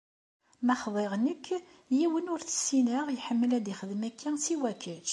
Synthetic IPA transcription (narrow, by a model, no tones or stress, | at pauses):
mæχðˤeʁnəkː | jiwənʊɾθə̥sːinəʁjħəmːəlæd̪iχəðmækʰːæŋsiwækʰəd͡ʒ